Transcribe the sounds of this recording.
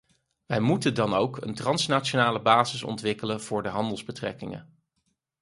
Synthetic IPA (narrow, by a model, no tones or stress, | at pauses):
ʋɛjmutəndɑnowkə̰ntrɑnsnat͡ʃonaːləbaːzɪsɔ̰ntʋɪkələnv̥ʊːɹdəɦɑndəlˠzbətrɛ̰kɪŋə̰